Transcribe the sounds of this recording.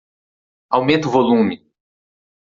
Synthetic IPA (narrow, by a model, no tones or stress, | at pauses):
awmẽnt̪ʊvolũmɪ